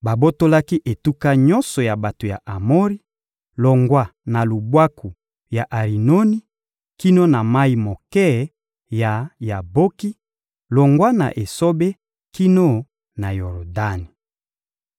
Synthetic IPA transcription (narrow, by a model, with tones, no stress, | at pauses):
ba˨bo˦to˦la˦ki˦ʔe˨tu˦ka˦ɲɔ̃˦nsɔ˨ja˨ba˨to˨ja˨ʔa˨mo˦ʁi˦ | lɔ˨ŋɡwa˦na˨lu˨bwa˦ku˨ | ja˨ʔa˨ʁi˨no˦ni˦ | ki˦no˦na˨ma˦i˨mo˨kɛ˦ | ja˨ja˨bo˦ki˦ | lɔ˨ŋɡwa˦na̰˨ʔe˨so˦be˦ | ki˦no˦ | na˨jo˨ʁo˨da˦ni˨